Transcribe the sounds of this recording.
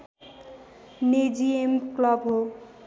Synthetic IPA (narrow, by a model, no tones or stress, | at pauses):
ned͡ʒiemklʌbɦo